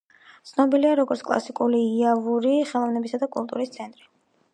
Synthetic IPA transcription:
t̪sʰnɔbiliaɾɔɡɔɾt̪sʰkʼlˠa̰sikʼuliːiavuɾiχɛlˠɔvnɛbisad̪akʼulˠt̪ʼṵɾist̪sʰɛnt̪ʼɾi

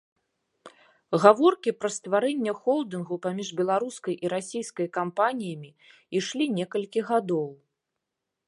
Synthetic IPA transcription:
ɣavɔrkʲipɾɐst̪vaɾɛnʲːɛxɔlˠd̪ɨnɣupamʲiʐbʲɛlˠaɾuskɐjʔiɾasʲijskɐjkampanʲijɐmʲi | iʂlʲinʲɛkɐlʲkʲiɣad̪ɔw

